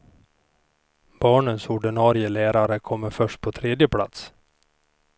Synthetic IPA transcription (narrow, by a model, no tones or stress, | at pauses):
b̥ɑːɳənsʊɖɪɳɑːɾɪəlæːɾaɾəkʰɔmːəɾfœʂʈ̚pʰɔt̪ʰɾeːd̪jəpʰla̰t̪s